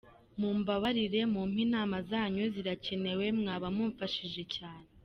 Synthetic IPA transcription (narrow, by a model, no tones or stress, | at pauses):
muːmbaβaɾiɾe̞muːm̥hinaːmazaːɲoziɾace̞ne̞we̞mŋaːβamuɱfaʃiʒe̞caːne̞